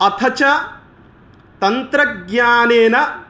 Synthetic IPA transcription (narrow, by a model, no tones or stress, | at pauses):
ɐt̪ʰɐt͡ʃɐ | t̪ɐnt̪ɾɐɡɲaːneːnɐ